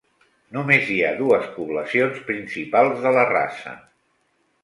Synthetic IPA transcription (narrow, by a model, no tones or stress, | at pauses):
numeziaðuəspuβləsionspɾinsipalˠzðələra̰sə̰